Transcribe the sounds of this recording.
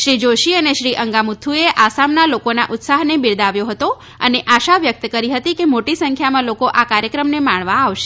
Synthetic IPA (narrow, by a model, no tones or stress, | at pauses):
ʃɾid͡ʒoʃiəneʃɾiʔəŋɡamut̪ʰːueʔasamnalokona̰ʔʊt̪saɦnebiɾd̪aʋjoɦət̪o | əneʔaʃaʋjək̚t̪kəɾiɦət̪ikemoʈisəŋkʰjamãlokoʔakaɾjəkɾəmnemaɳʋaːʋʃe̥